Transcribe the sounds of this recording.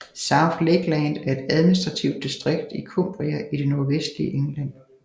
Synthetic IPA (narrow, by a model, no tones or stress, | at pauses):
sɑ̈ʊfleɡ̥lænd̥æɐe̝d̥æð̞ˠminisd̥ʁɑ̈t͡sʰiʊ̰d̥̚ːisd̥ʁeɡ̥d̥ikʰo̝mb̥ʁiæʔiɾ̥e̝no̝ɐʋesd̥lḭəʔeŋlæn̰